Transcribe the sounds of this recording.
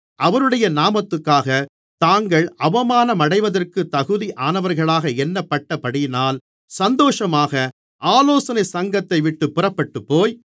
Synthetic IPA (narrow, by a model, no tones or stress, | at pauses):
ʔɐʋɐnɯɽɐjɐnaːmɐt̪ːɯkːaːɣɐ | t̪aːŋɡɐɭɐʋɐmaːnɐmɐɽɐɪʋɐðɐrkɯt̪ːɐɣɯðiʔaːnɐʋɐɾɣɐɭaːɣɐɛnːɐpːɐʈːɐpɐɽɪjnaːl | sɐnd̪oːʂɐmaːɣɐ | ʔaːloːsɐnɐɪsɐŋɡɐt̪ːɐɪʋɪʈːɯpːʊrɐpːɐʈːɯpːoːj